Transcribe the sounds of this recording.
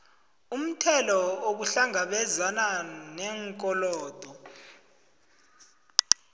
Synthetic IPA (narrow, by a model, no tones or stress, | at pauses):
um̩tʰɛlɔoɓuɬaŋaɓɛzananɛŋkʼɔlɔːd̥ʱɔ